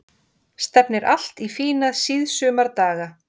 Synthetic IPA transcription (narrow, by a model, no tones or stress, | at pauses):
st̪ɛpnɪɾʔal̥t̪ifiːnaðsiðsœːmaɾt̪aːɣa